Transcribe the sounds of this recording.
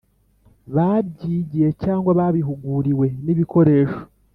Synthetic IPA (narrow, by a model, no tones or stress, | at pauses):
βabɟiːɟije̞caːŋɡwaβaβiɦuɡuːɾiwe̞niβiko̞ɾe̞ːʃo̞̥